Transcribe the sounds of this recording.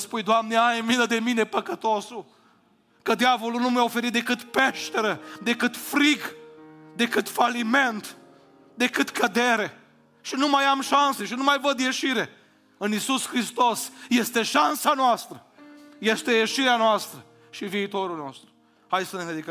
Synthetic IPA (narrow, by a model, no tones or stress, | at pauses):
spujd̪oamneaajmiləd̪e̞mine̞pəkət̪o̞su | kəd̪iavo̞lunumjaofe̞ɾit̪̚d̪e̞kɨt̪pe̞ʃt̪e̞ɾəd̪e̞kɨt̪fɾiɡ | d̪e̞kɨt̪falime̞nt̪ | d̪e̞kɨt̪kəd̪e̞ɾe̞ | ʃinumajamʃanse̞ʃinumajvəd̪je̞ʃiɾe | ɨnisuskɾist̪o̞sje̞st̪e̞ʃansanoast̪ɾə | je̞st̪e̞je̞ʃiɾeanoast̪ɾə | ʃiviːt̪o̞ɾulno̞̰st̪ɾu̥ | hajsənened̪ikə